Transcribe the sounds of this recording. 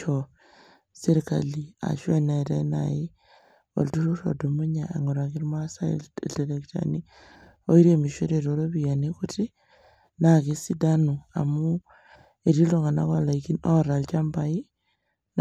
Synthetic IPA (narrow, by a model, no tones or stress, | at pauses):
o | seɾikalia̰ʃwenaɾaina̰ji | o̰ltuɾuʃo̰dumuɲaḛŋoɾakiɾimasalelekta̰ni | oiɾemiʃuɾeɾoɾoβijanekuti | nakesidanua̰mu | eɾiloŋɡana̰kalaikinoɾalt͡ʃambaji | n